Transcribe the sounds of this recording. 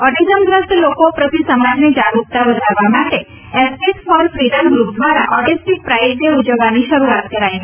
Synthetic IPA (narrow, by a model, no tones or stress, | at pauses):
ɔʈizəmd̪ɾəst̪lokopɾət̪isəmad͡ʒned͡ʒaɽuk̚t̪abəd̪ʱaɾʋamaʈe | espesfɔɾfɾiɖəmɡɾup̚d̪ʋaɾa̰ʔɔʈisʈik̚pɾajət̪jəud͡ʒəʋːaniʃəɾuat̪kəɾaj